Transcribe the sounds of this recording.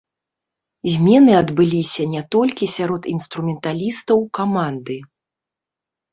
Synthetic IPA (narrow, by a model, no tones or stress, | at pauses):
zʲmʲɛnɨɐd̪bɨlʲisʲɐnʲɛt̪ɔlʲkʲisʲaɾɔt̪inst̪ɾumʲɛnt̪alʲist̪ɐwkamand̪ɨ